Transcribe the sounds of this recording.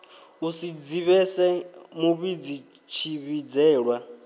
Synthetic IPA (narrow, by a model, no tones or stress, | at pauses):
usid͡ziβɛsɛmuβid͡zit͡ʃʰiβid͡zɛːɺwa